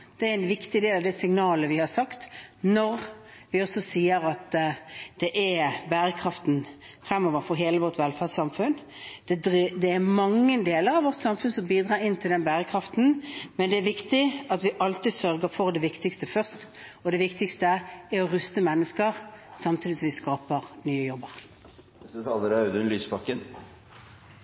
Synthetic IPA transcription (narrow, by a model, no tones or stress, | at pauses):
d̪̥ɛæɾɪnʋɪkt̪ɪd̪eːlɑʋd̪ɛsɪŋnɑːləʋɪhɑɾsɑkt̪nɔɾʋɪɔsɔsiːəɾɑt̪d̪̥ɛʔæɾbæːɾəkʰɾɑft̪n̩ | fɾɛmːɔːʋəɾfɔɾɦeːləʋɔʁt̪ʋɛlfæʁsɑmfʉn | d̪̥ɛd̪d̪ɛːmɑŋːəd̪eːləɾɑʋʋɔʁt̪sɑmfʉnsɔmbiːd̪ʁɑːɾɪnːt̪ʰɪld̪ɛnbæːɾəkʰɾɑft̪n̩mɛnd̪ɛæɾʋɪkt̪ɪɑt̪ʋɪʔɑlt̪ɪsœɾɡəfɔʁd̪ɛʋɪkt̪ɪkst̪əfœʁst̪ | ɔd̪ɛʋɪkt̪ɪkst̪əæɾɔɾʉst̪əmɛnːəskəɾsɑmt̪ʰiːd̪ɪsɔmʋɪskɑːpəɾnyːəjɔbːəɾ | ət̪ʰɑːləɾɑʉd̪ənlyːspɑkːən